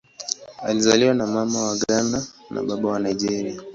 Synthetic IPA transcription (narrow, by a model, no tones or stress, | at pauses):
alizaliwanamamawaɡananʔa̰ɓaɓawanajd͡ʒɛɾia